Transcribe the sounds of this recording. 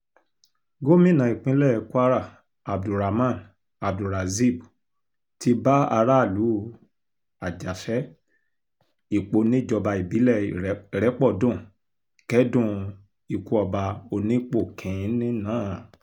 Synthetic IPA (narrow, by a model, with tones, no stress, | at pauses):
ɡo˦mĩ˦˨nã˨i˨k͡pĩ˦lɛ˦˨˧ku˦a˦ɾa˦˨ | a˨b̚du˨ɾa˨mã˦˨n | a˨b̚du˨ɾa˨zi˦˨bu˨ | ti˧˦ba˦a˧ɾa˦˨lu˨˦ | a˨d͡ʒa˨fɛ˨˦ | i˨k͡po˧˦nĩ˦d͡ʒɔ˧ba˧i˨bi˨˦lɛ˦˨ɾɛ˨˦k͡pɔ˦˨dũ˦˨ | kɛ˦dũ˦˧ | i˨ku˨˦ɔ˧ba˧o˧nĩ˦k͡po˦˨kʰĩ˨˦˨nĩ˦nãː˨˦˨